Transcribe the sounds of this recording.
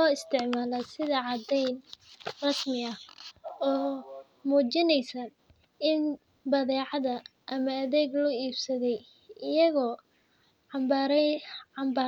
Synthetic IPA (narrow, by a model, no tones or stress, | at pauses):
ɔːɪst̪ʰɪʕmaːlɐsɪðɐʕɑd̪ɛjnrɑsmɪɐ | ɔː | muːt͡ʃɪnɛjsɐ | ɪn | bɐðɛːʕɑðɐʔɐmɐːðɛːɡlɔiːbsɐðɛj | ɪjɐɣɔː | ʕɑmbaːɾɛɑmbaː